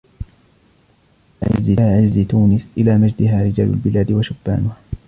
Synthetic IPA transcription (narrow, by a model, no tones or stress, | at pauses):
ʕɪ̰zɪːʕɪzɪt̪uːnɪsʔɪlaːmad͡ʒd̪ɪɦaːɾɪd͡ʒa̰ːlʊ̰lbɪlaːd̪ɪwaʃʊbːa̰ːnʊha